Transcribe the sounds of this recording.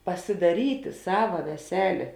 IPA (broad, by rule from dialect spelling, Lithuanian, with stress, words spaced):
pɐsʲɪdɐˈrʲiːtʲɪ ˈsɑːʋɐ ʋʲɛˈsʲæːlʲeː